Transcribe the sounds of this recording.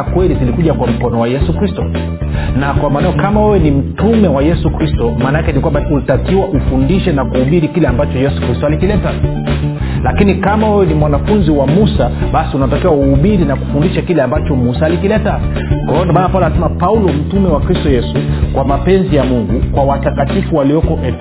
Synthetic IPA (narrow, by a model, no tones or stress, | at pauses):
kwɛlizilikuʄakwam̩kɔnɔwajɛsukɾistɔ | nakwamaːnajɔkamawɛwɛnim̩tumɛwajɛsukɾistɔmaːnaakɛnikwambaulitakiwaʔufundiʃɛnakuhuɓiɾikilɛambat͡ʃɔjɛsu̥kɾistɔalikilɛta | lakinikamawɛwɛnimwanafunziwamusaɓasiunatakiwauhuɓiɾinaku̥fundiʃakilɛambat͡ʃɔmusaːlikilɛta | kwahɔndmaːnapaulanasɛmapaulɔm̩tumɛwakɾistɔjɛsukwamapɛnzijamuŋɡukwawatakatifuwaliɔkɔʔɛ